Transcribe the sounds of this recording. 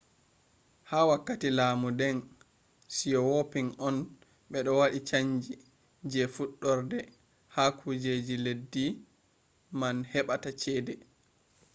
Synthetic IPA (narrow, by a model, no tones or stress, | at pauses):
haːwakːatilaːmudɛn | sijɔwopiŋʔɔn | ɓɛɗɔwaɗit͡ʃaɲd͡ʒi | d͡ʒɛfuɗːɔɾdɛ | hakʰud͡ʒed͡ʒiledːi | manhɛɓatat͡ʃɛːdɛ